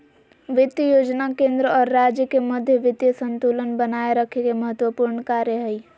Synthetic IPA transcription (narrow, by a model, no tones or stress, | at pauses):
ʋɪt̪jəjoːd͡ʒnakẽːnd̪ɾəɔːɾːaːd͡ʒjəkeməd̪ʱjəʋɪt̪jəsə̃nt̪uːlənbənaːeɾəkʰekeməɦət̪wəpuːɾɳkaːɾjəɦɛi